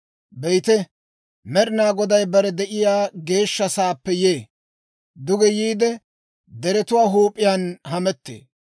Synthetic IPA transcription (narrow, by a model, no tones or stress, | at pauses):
bɛjt̪ɛ | mɛɾɪnaːɡɔd̪ɐjbɐɾɛd̪ɛʔɪjaːɡe̞ːʃːɐsaːpːɛjeː | d̪ʊɡɛjiːd̪ɛ | d̪ɛɾɛt̪ʊwaːɦuːpʼːɪjanhɐmɛt̪ːḛː